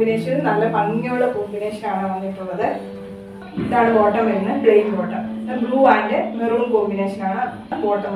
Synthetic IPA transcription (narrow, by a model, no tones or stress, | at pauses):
ine̞ːʂɐnnɐlːɐpɐŋːoɭːekoːbine̞ːʂɐnaːɳɨʋɐnːiʈːuɭːɐðɨ | iðaːɳɨfo̞ːʈːɐmɐɾunːɨɖrejnpoːʈːɐmðɐbluːaːndemeruːmkoːmbineːʂɐnaːɳɨ | fo̞ːʈːɐm